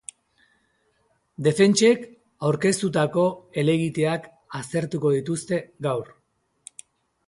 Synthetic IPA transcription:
d̪e̞fe̞nt͡ʃe̞k | awɾke̞st̪ut̪ako̞e̞le̞ɣit̪e̞ak | ast̪e̞ɾt̪uko̞ðit̪ust̪e̞ɡawɾ

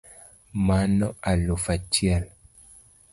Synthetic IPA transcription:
manɔʔalofat͡ʃjɛl

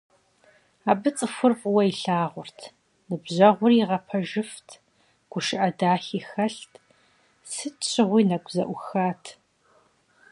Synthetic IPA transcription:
aːbɨt͡sʼɨfʷʊrpʼwɐiɬaːʁʷʊrtʰ | nɨbʑɐʁʷʊriʁɐpʰɐʒɪftʰ | ɡ̥ʷʊʃɪʔɐdaːɬiːxɐɬtʰ | sɨtt͡ʃʰɪʁʷiːnɐɡʷʰʼzɐ̰ʔʷʊxaːtʰ

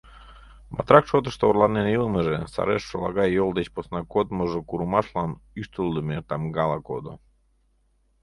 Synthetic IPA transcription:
mɑ̰t̪ɾɑkʃot̪əʃt̪oːrlˠɑnenilˠəməʒesɑ̰ɾeʃːolˠɑɣɑjolˠd̪et͡ɕposnɑkot̪məʒokuɾumɑʃlɑnyʃt̪ulˠd̪əmet̪ɑmɡɑlˠɑko̰d̪o̰

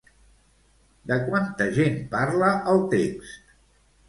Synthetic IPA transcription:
d̪əkwant̪əʒenpaɾləʔəlˠt̪ekst̪

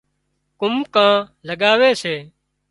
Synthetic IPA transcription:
kʊmkãːləɠaːʋeːseː

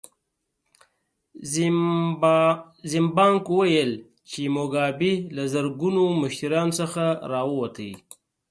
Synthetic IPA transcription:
zimbɑŋkwajəl | t͡ʃemoɡɑbilazaɾɡunomʊʃiɾjɑːnosəxaɾɑwəwat̪ʰəi

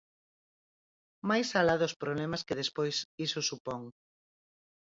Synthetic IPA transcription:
majsalaðʊspɾoβlɛmɐskeðespojsisʊsupɔŋ

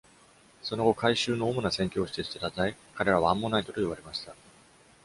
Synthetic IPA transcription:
so̞no̞ɡo̞kʰaiɕɨːno̞ːmo̞nasẽŋkʲo̞ːɕi̥t̪e̞ɕi̥t̪et̪azaikaɾe̞ɾaβãːmːo̞nait̪o̞t̪o̞iβ̞aɾe̞maɕi̥t̪a

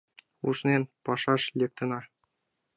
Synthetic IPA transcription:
uʂnʲenpɑʂɑʂlʲek̚t̪ɤ̆nɑr

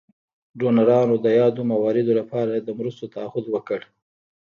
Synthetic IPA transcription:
ɖonaɾɑnod̪əjɑd̪omawɑɾɪd̪olapɑɾad̪əmɾust̪ot̪aahʊd̪wəkəɽ

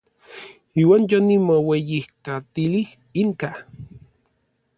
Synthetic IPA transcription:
iːwaːnjonimowejihkat̪ilih | iŋka

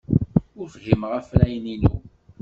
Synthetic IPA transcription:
ʊɾfəɦimʁæflæjninṵ

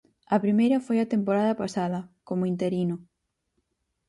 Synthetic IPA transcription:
ɐpɾimejɾɐfojɐt̪empoɾaðɐpasaðɐkomʊint̪eɾinʊ

